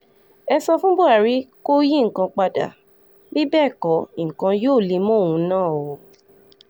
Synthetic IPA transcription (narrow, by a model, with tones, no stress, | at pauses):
ɛ˧sɔ˧fũ˦bo˦a˨ɾi˦ko˦ji˦ŋ̩˨kã˧k͡pa˧da̰˨ | bi˦bɛ˦˨kɔ˨˦i˨kã˧joː˦˨li˧˦mɔ̃˦˨wũ˨˧nãː˦˨o˨